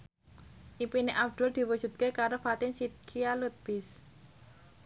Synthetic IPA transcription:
ʔipineʔabd̪̥ṳld̪̥i̤wu̥ʒ̥ṳt̪̚kekaɾofat̪ɪnsit̪̚kʰialut̪̚b̥is

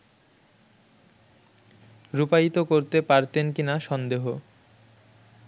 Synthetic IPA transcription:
ɾupait̪okoɾt̪epaɾt̪enkinaʃɔnd̪eɦo

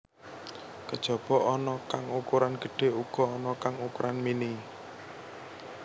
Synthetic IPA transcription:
kəd̥ʒ̥ɔ̤b̥ɔ̤ʔɔnɔkaŋukuɾanɡ̥ə̤ɖ̥e̤uɡ̥ɔ̤ːnɔkaŋukuɾʔanmini

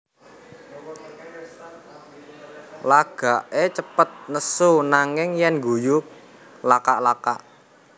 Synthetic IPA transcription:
laɡ̥a̤ʔet͡ʃəpət̪̚nəsunaŋɪŋjɛnɡujuk̚ | lakaʔlakaʔ

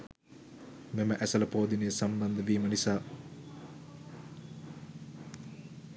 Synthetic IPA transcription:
meməʔæsələpoːd̪inəjəsamd̪ɐnd̪əʋiːmənisaː

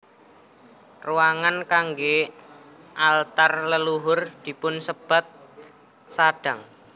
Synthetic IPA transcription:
ruwaŋankaŋɡe | ʔalt̪arləluɦʊrd̪̥i̤pʊnsəb̥a̤t̪̚ | saɖ̥a̤ŋ

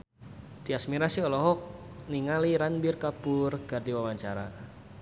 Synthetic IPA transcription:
t̪iasmiɾasiɔlɔɦɔk̚ | niŋaliɾanbirkapʊrɡ̥ardiwawaɲt͡ʃaɾa

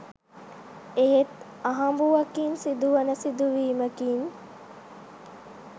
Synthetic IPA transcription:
eɦet̪ | aɦambuʋakinsid̪uʋənəsid̪uʋiːməkiːn

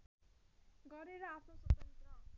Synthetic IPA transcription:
ɡʌɾeɾʌapʰnosʌt̪ʌnt̪ʌ

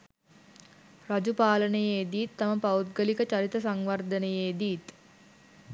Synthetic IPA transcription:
rad͡ʒupaːlənəjeːd̪iːt̪ːaməpaut̪̚ɡəlikət͡ʃaɾit̪əsaŋʋard̪ənəjeːd̪iːt̪

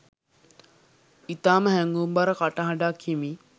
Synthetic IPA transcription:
it̪aːməɦæŋɡumbaɾəkaʈaɦaɖaːkʰimi

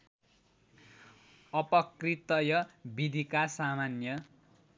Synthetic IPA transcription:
ʌpʌkrit̪ʌjʌbid̪ʱikasamanjʌ

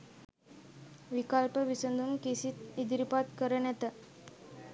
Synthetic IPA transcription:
ʋikalpəʋisənd̪ʱumkisit̪id̪ɾipat̪kəɾənɛt̪ə

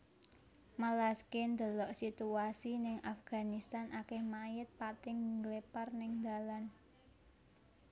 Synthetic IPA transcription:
malaskend̪ə̤lɔʔsit̪uasinɪŋʔafɡ̥a̤nist̪anʔakɛhmajɪt̪̚pat̪ɪŋɡleparnɪŋnd̪a̤lan

